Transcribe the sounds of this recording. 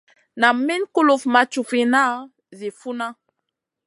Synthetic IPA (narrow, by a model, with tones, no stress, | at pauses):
na˨mmi˦nku˦lu˨fma˨t͡ʃu˨fi˨na˦ | zi˨fu˦na˦